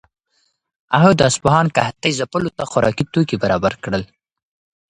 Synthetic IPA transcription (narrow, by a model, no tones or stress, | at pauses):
aɦod̪əaspahɑnkaht̪ajzapəlot̪axʊɾɑ̰kit̪okibaɾɑbaɾkɽəl